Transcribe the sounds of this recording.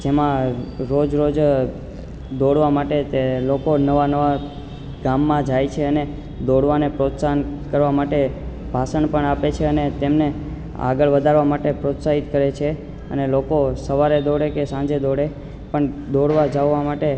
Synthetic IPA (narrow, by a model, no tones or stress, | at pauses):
d͡ʒemãɾod͡ʒɾod͡ʒ | d̪oɽʋamaʈet̪elokonəʋanəʋa | ɡamːãd͡ʒajt͡ʃʰeəne | d̪oɽʋanepɾot̪sankəɾʋamaʈe | b̥ʱasənpəɳapet͡ʃʰeənet̪emne | a̰ɡəɭʋəd̪ʱaɾʋamaʈepɾot̪saɦit̪kəɾet͡ʃʰe | ə̰nelokosəʋaɾed̪oɽekesãɲd͡ʒed̪oɽe | pəɳd̪oɽʋad͡ʒaʋʋamaʈe